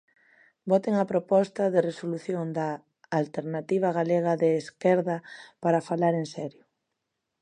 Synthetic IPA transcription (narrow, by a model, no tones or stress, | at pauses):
bɔt̪eŋɐpɾopɔst̪ɐðeresoluθjond̪aː | lt̪eɾnat̪iβ̞ɐɣ̞aleɣ̞ɐðeːskɛɾðɐpaɾɐfalaɾensɛɾjʊ